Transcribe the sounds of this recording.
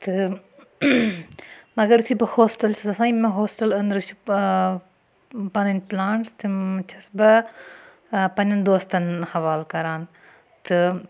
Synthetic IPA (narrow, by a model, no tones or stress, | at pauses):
t̪ɨ | mɐɡɐɾusibɐhoːsʈɐlt͡ʃʰɐsɐsãːimɐ̃ɦoːsʈɐlɐnd̪ɾɨt͡ʃʰu̥ | pɐnɐnplaːɳʈst̪ɨt͡ʃʰɐsbɐ | pɐnɐnd̪oːst̪ɐnhɐʋaːlkɐɾaːn | t̪ɨ